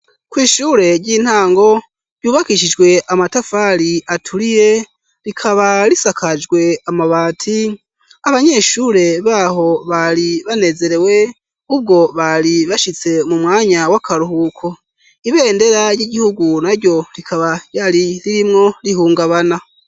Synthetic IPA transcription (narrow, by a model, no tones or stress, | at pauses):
kwiːʃuːɾe̞ɾɟiːn̥haːŋɡo̞ | ɾjuːβakiʃid͡ʒɡwe̞ʔamatafaɾiʔatʰuɾije̞ | ɾikʰaβaɾisakʰad͡ʒɡwe̞amaβaːtʰi | aβaɲe̞ʃuːɾe̞βaːɦo̞βaɾiβane̞ze̞ɾe̞we̞ | ub̚ɡo̞βaɾiβaʃit͡se̞mumŋaːɲawakʰaɾuhukʰo | iβe̞ːnde̞ɾajiɟihuɡunaɾɟo̞ɾikʰaβajaɾiɾiɾimŋo̞ɾiɦuːŋɡaβana